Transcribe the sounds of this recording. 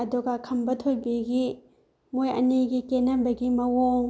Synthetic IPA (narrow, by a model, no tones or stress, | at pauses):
ɐduɡɐkʰɐmbɐtʰojbiɡi | mojɐ̰niɡikenɐbɐɡimɐwoŋ